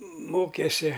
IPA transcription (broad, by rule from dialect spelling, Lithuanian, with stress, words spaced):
ˈmoːkʲɛsʲɪ